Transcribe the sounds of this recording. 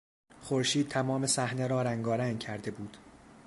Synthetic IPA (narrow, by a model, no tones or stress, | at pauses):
χoɾʃiːd̪̥̚t̪ʰæmɒːme̞sæhneɾɒːɾæŋɡɒːɾæŋcʰæɾd̪e̞buːd̪̥